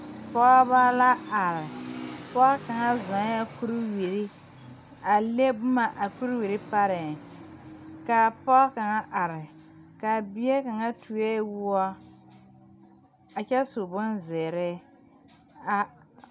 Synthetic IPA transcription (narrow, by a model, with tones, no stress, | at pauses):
pɔ˦ba˦la˦a˨ɾɪ˨pɔ˦ka˨ŋa˦zɔ˨ŋ˦a˦ku˦ɾi˦wi˨ɾi˦ | a˨le˦bʊ˦ma˨ʔa˨ku˦ɾwi˨ɾi˦pa˦ɾɪ˨ | ka˨pɔ˦ka˨ŋa˦ʔa˨ɾɪ˨ | ka˨bi˦ɛ˦ka˨ŋa˦tʰu˨ɛ˦wu˦ɔ˦ | a˨t͡ʃɛ˦su˨bʊ˦nze˨ɾɪ˦ | a˨